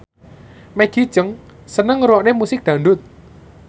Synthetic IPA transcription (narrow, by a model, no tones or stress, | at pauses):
meɡ̥i̤̥t͡ʃəŋ | sənəŋɾɔʔnemusɪk̚d̪̥ä̤ɳɖʊt̪̚